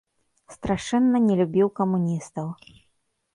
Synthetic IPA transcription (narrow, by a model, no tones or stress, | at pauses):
st̪ɾaʂɛnːɐnʲɛlʲubʲiwkɐmunʲist̪ɐw